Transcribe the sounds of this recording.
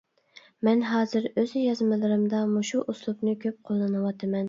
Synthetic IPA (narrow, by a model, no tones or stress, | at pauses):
mɛnɦɑːzɨɾøzjɑzmɨlˠɨɾɨmd̪ɑmuʃuʔuslˠupnɨkʲʰøp̚qʰolˠːɨnɨwɑt̪ʰɨmɛn